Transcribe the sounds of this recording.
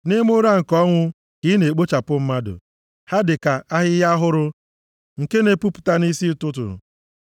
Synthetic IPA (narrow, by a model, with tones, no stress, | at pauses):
nɪ˦mʊ˦ɾa˦ŋ̩˨kɔ˦ŋʷʊ˦ | kɪ˨˦ne˨k͡po˦t͡ʃa˨pʊ˦m̩˦ma˦dʊ̰˨ | ha˦dɪ˨ka˨ʔa˦ɦɪ˦ja˦ɦʊ˦ɾʊ˦ | ŋ̩˨ke˦ne˨pu˦pʊ̥˨ta˦ni˦si˦tʊ˦tʊ̰˨